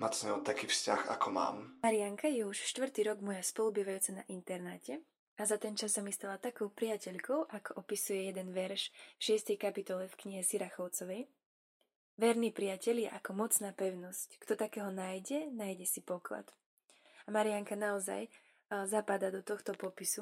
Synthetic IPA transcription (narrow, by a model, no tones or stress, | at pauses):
masɲɛɔt̪akiːfsca̰xa̰kɔma̰ːmmaɾiaŋkajɛuʃʃt̪ʋr̩ɾt̪iːɾɔɡmɔjaspɔlˠubiːʋajuːt͡sana̰ʔint̪ɛɾnaːcɛ | azat̪ɛnt͡ʃasːamist̪alat̪akɔʊpɾɪacɛʎkɔʊʔakɔʔɔpisujɛjɛd̪ɛnʋɛɾʃʃɪɛst̪ɛjkapit̪ɔlɛfkɲiɦɛsiɾaxɔʊt͡sɔʋɛj | ʋɛɾniːpɾɪacɛʎjɛ̰ʔakɔmɔt͡snaːpɛʊnɔsckt̪ɔt̪akɛːɦɔnaːjɟɛnaːjɟɛsipɔkla̰t̪ | amaɾiaŋkanaɔza̰j | zapad̪ad̪ɔt̪ɔxt̪ɔpɔpisu